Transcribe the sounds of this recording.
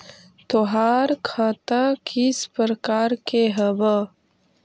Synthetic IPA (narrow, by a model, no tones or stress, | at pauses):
t̪oɦaːɾkʰãːt̪akʰispəɾəkaːɾkeɦɐbə